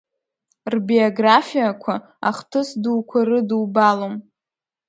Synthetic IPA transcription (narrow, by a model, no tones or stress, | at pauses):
rbioɡrafijakʷʰa | aχtʰɨsduːkʷʰarɨdɨwbalom